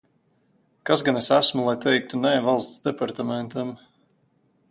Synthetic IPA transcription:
kasɡanɛsæsmulˠajt̪ʰɛjk̚t̪unɛːvalˠst̪sd̪ɛpaɾt̪amɛnt̪ɐm

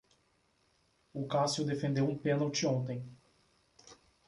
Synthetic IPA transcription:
ʊkasjʊd̪efẽnd̪ewũpẽnowt͡ʃɪõnt̪ẽj̃

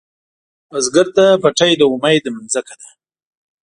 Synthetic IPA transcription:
azɡəɾt̪apaʈajd̪əʊmajd̪əmanzakad̪ḁ

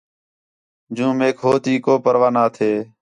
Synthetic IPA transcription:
d͡ʒũːmeːkʰɦoːt̪iːkoːpəɾʋaːnaːt̪ʰeː

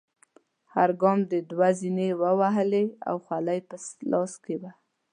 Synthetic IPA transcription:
haɾɡɑmd̪əd̪wazinewəwaɦəlea̰wxwalajpəslɑskeba

